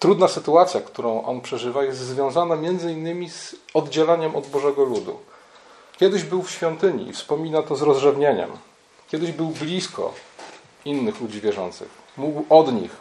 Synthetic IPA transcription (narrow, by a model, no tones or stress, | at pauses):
t̪ɾud̪nasɘt̪uat̪sʲjakt̪uɾɔ̃w̃ʔɔ̰npʂɛʐɘvajɛst̪zvʲjɔ̃w̃zanamʲjɛnd̪zɘinːɘmʲiz̥ɔd̪d͡ʑɛlaɲɛmɔd̪bɔʐɛɡɔlud̪ṵ | kʲjɛd̪ɘʑbɘwfɕfʲjɔnt̪ɘɲḭfspɔmʲinat̪ɔzɾɔzʐɛvɲeɲɛ̰m | kʲjɛd̪ɘʑbɘwblʲiskʰɔ̰ | inːɘxlud͡ʑivʲjɛʐɔ̰nt̪sɘ̰xmuɡwɔd̪ɲḭx